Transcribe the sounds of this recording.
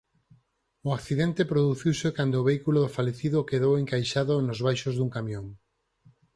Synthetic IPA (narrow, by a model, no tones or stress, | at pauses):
ʊakθiðent̪epɾoðuθiwsekand̪oːβejkuloðʊfaleθiðokeðoweŋkajʃaðʊnʊzβajʃozðuŋkamjõŋ